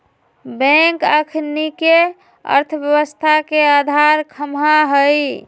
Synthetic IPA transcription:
bɛ̃ŋkəkʰnike | ə̰ɾt̪ʰəbjəβəst̪ʰakead̪ʱaɾkʰəmɦaɦəj

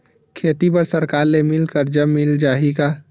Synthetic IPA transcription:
kʰeːt̪ipəɾsəɾkaːɾnemɪlkəɾd͡ʒəbːɪld͡ʒaːɦika

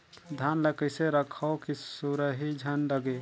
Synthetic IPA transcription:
d̪ʱanləkəjseɾəkʰəokisuɾəɦid͡ʒʱənləɡe

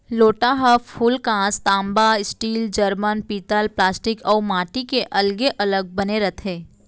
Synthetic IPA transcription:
loːʈaɦəpʰuːlkãːst̪ãːmbaɪsʈiːld͡ʒəɾmənpiːt̪əlplaːsʈɪkɔːɾmaːʈikeʔɐlɡeʔɐləɡ̚bɐneɾɐt̪ʰɦẽː

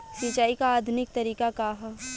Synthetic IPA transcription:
sit͡ʃaːikaːd̪ʱʊnɪk̚t̪ɐɾiːkakaɦa

